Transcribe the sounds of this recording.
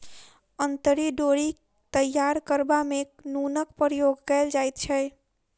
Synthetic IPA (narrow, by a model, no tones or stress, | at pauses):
ənt̪əɾiɖoɾi | t̪əjːaɾkəɾbameknunək̚pəɾjoɡkəld͡ʒajt̪̚t͡ʃʰə